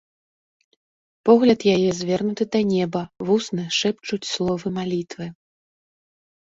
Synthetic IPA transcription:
pɔɣlʲɐt̪jajɛzʲvʲɛrnut̪ɨd̪ɐnʲɛbɐvusnɨʂɛpt͡ʂut͡sʲslˠɔvɨmalʲit̪vɨ

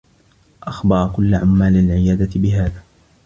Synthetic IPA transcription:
ʔɑxbɑɾˤɑkʊlːaʕamːaːlalʕɪjaːd̪at̪ɪbɪɦaːðaː

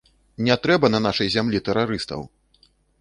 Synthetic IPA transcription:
nʲɛt̪ɾɛbɐnɐn̪aʂɐjzʲamlʲit̪ɛɾaɾɨst̪ɐ̰w

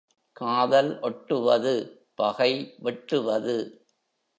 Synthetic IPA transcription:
kaːðɐlʔɔʈːɯʋɐðɯ | pɐɣɐɪʋɛʈrɯʋɐðɯ

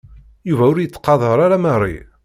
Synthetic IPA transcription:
juvæʊɾjət͡sːqɑðˤəɾˤaɾamæɾˤḭ

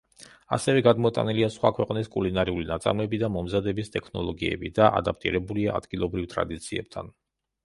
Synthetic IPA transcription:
a̰sɛvɛɡad̪mɔt̪ʼa̰niliasχwakʰwɛqʼniskʼulinaɾiulinat̪sʼa̰mlɛbid̪amɔmzad̪ɛbist̪ʼɛkʰnɔlˠɔɡiɛ̰bid̪aʔa̰d̪ap̚ʰt̪ʼḭɾɛbuliaa̰d̪̥ɡilˠɔbɾivt̪ʼɾa̰d̪it̪sʰiɛp̚t̪ʰa̰n

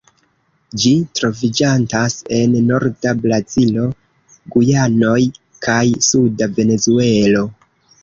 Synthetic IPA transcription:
d͡ʒitɾo̞vid͡ʒantase̞nːo̞ɾdablazilo̞ | ɡujano̞j | kʰajsudave̞ne̞zue̞lo̞

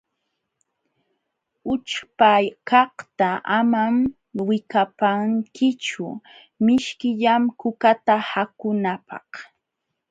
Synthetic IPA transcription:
ʊt͡ʃpajkɑht̪aamam | wɪkapaŋkʰɪt͡ʃʊ | mɪʃkɪʎamkʊkat̪ahakʊnapɑ̰h

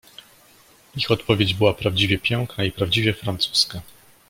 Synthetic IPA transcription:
ixɔt̪pɔvʲed͡ʑbɘwapɾavd͡ʑivʲɛpʲjɔŋknaipɾavd͡ʑivʲjɛfɾant̪su̥ska

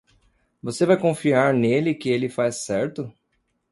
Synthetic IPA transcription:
vosevajkõfiaɾnelɪkɪelɪfajsːɛɾt̪ʊ

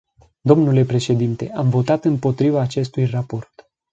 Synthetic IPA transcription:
d̪o̞mnule̞pɾe̞ʃe̞d̪int̪e̞ʔamvo̞t̪at̪ɨmpo̞t̪ɾivaːt͡ʃe̞st̪ujrapo̞rt̪

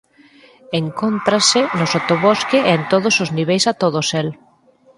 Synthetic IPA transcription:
eŋkont̪ɾasɪnosot̪oβoskɪʔent̪oðʊsozniβejsat̪oðʊsel

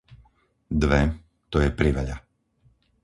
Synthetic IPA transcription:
d̪ʋɛ | t̪ɔjɛpɾiʋaʎa

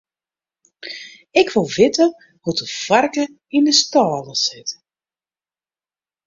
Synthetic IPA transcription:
ɪkʰʋolˠvɪtə | hutəfarkə | indəstɑːləsɪt

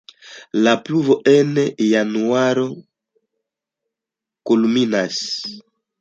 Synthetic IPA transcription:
lapluvoʔɛnɛjanuaɾo | koluminas

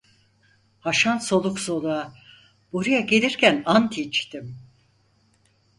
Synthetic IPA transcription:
haʃanso̞lˠukso̞lˠua | boɾujaɟelʲiɾcʰænant̪ʰit͡ʃt̪im

